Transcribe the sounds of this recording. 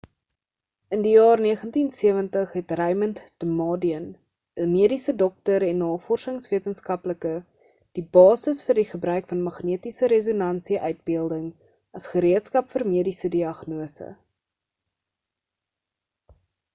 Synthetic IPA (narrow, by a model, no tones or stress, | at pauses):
əndijɑːrniəχəntinsiəvəntəχɦɛtrɛjməntd̥əmɑːdiən | əmiədisədɔk̚təɾɛnːɑːfɔrsəŋsviətənskɐpləkə | d̥ibɑːsəsfərdiχəbɾœɥkfɐnmɐχniətisəɾɛzonɐnsiʔœɥt̚biəlˠdəŋ | ɐsχəɾiətskɐpfərmiədisədiɐχnuəsə̰